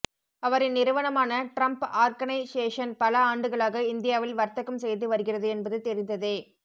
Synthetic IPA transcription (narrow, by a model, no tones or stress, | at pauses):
ɐʋɐɾɪnnɪɾɯʋɐnɐmaːnɐʈɾɐmpaːɾɡɐnɐɪseːʂɐnpɐlɐaːɳɖɯɣɐɭaːɣɐɪnd̪ɪjaːʋɪlʋɐɾt̪ɐkːɯmsɛjðɯʋɐɾɯɣɪrɐðɯɛnbɐðɯt̪ɛɾɪnd̪ɐðeː